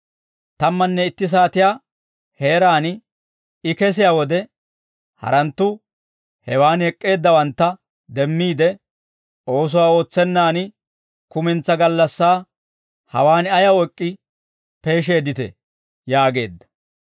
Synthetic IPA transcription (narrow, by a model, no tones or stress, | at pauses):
t̪ɐmːɐnːɛɪt̪ːɪs̬aːt̪ɪjaː | he̞ːɾaːn | ɪkɛs̬ɪjaːwɔd̪ɛ | hɐ̰ɾɐnt̪ːʊ | hɛwaːnɛkʼːe̞ːd̪ːɐwɐnt̪ːɐ | d̪ɛmːiːd̪ɛ | o̞ːs̬ʊwaːo̞ːt͡sːɛnːaːnɪ | kʊmɪnt͡sːɐɡɐlːɐsːaː | hɐ̰waːnɐjɐɔkʼːɪ | pe̞ːʃe̞ːd̪ɪt̪ɛ̰ | jaːɡe̞ːd̪ːɐ̥